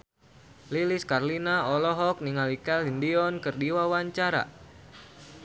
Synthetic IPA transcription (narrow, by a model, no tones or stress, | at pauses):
liliskarlinaɔlɔɦɔk̚niŋalikalindiɔnkərdiwawaɲt͡ʃaɾa̰